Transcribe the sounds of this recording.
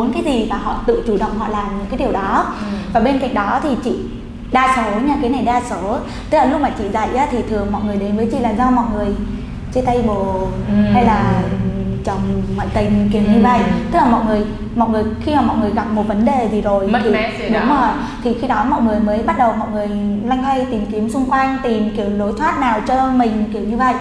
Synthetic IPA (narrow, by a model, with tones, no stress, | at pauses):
ɓo˨˦nkaː˨˦jzi˨˩maː˨˩ɦɔ̰˧˨t̪ɨ̰˧˨t͡ɕu˨˧˩ɗə̰˧˨wŋ͡mhɔ̰˧˨laː˨˩m˨˩kaː˨˦jɗi˨˩əwɗɔ˨˦vaː˨˩ɓe˧nka̰˧˨jŋ̟̚ɗɔ˨˦t̪ʰi˨˩t͡ɕḭ˧˨ | ɗaː˧so˨˦ɲa˧˩kaː˨˦jna˨˩jɗaː˧so˨˦ | t̪ɨ˦˥k̚laː˨˩lʊ˦˥k͡p̚maː˨˩t͡ɕḭ˧˨za̰˧˨jʔaː˨˦t̪ʰi˨˩t̪ʰɨ˨˩əŋmɔ̰˧˨jŋɨ˨˩əjɗe˨˦nvəː˨˦jt͡ɕḭ˧˨laː˨˩mzɔ˧mɔ̰˧˨jŋɨ˨˩əj | t͡ɕe˧t̪a˧jɓo˨˩ha˧jlaː˨˩ | t͡ɕə˨˩wŋ͡mːɔ̰˧˨jt̪ï˨˩ŋ̟ki˧˩əwɲɨ˧və̰˧˨jt̪ɨ˦˥k̚laː˨˩mɔ̰˧˨jŋɨ˨˩əj | mɔ̰˧˨jŋɨ˨˩əjxi˧maː˨˩mɔ̰˧˨jŋɨ˨˩əjɣa˨˩p̚mo˨˩t̚və˨˦nɗe˨˩zi˨˩zo˨˩j̪ʰi˧˨˦ɗʊ˨˦maː˨˩ | t̪ʰi˨˩xi˧ɗɔ˨˦mɔ̰˧˨jŋɨ˨˩əjməː˨˦jɓa˦˥t̚ɗə˨˩wmɔ̰˧˨jŋɨ˨˩əjla˧jŋ̟t̪ə˧jt̪i˨˩mki˨˦əmsʊ˧ŋ͡mkwa˧jŋ̟t̪i˨˩mki˧˩əwɗo˨˦jt̪ʰwaː˦˥t̚naː˨˩wt͡ɕɔ˧mï˨˩ŋ̟ki˧˩əwɲɨ˧və̰˧˨j